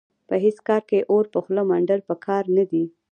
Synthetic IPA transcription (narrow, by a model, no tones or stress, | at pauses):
pəɦeskɑɾkeʔoɾpəxləmaɳɖaɾpəkʰɑɾnad̪i